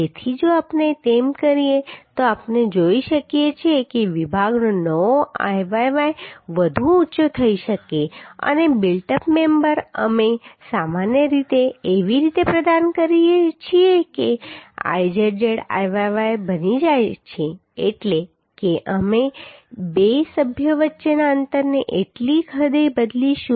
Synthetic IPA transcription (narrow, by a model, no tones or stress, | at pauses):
d͡ʒet̪ʰid͡ʒoapnet̪emkəɾiet̪oapned͡ʒoiʃəkijet͡ʃʰiekeʋibʱaɡnonəʋoʔa̰jʋajʋajʋəd̪ʱũutːʃot̪ʰəiʃəkeə̰nebɪlʈəpmembəɾə̰mesamanjəɾit̪eːʋiɾit̪epɾəd̪ankəɾiet͡ʃʰiekea̰jd͡ʒəɾd͡ʒeɽa̰jʋaʋajbənid͡ʒajt͡ʃʰeː | ʈle | keʔəmebesəbʱjəʋətːʃenaənt̪əɾneʔeʈlikʰəd̪ebəd̪liʃu